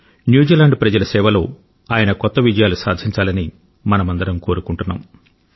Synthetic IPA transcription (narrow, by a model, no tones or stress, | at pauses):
njuːd͡ʒiːlaːɳɖpɾɐd͡ʒɐlɐsɛːʋɐlo̞ː | aːjɐnɐkɔt̪ːɐʋid͡ʒɐjaːlusaːd̪ʱiɲt͡ʃaːlɐni | mɐnɐmɐnd̪ɐɾɐmko̞ːɾukuɳʈunːa̰ːm